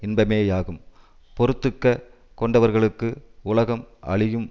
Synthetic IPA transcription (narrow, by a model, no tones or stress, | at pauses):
ɪnbɐmeːjaːɣɯm | pɔɾɯt̪ːɯkːɐ | kɔɳɖɐʋɐɾɣɐɭɯkːɯʊlɐɣɐmɐ̰ɭɪjɯm